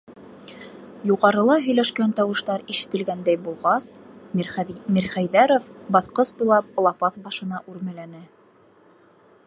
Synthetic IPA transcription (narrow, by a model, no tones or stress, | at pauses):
juʁɑɾɤ̆lˠɑɦɵ̆jlæʃkænt̪ɑwɤ̆ʃt̪ɑɾiʃɘ̆t̪ɘ̆lɡænd̪æjbulˠʁɑs | miɾχæjðæɾofbɑθqɤsbujlˠɑp̚lˠɑpɑθbɑʃɤ̆nɑʔʉɾmɘ̆lænɘ